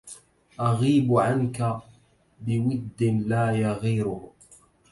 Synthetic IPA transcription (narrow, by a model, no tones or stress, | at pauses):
ʔaɣiːbʕanka | bɪwɪd̪ːɪnlaːjaɣiːɾʊh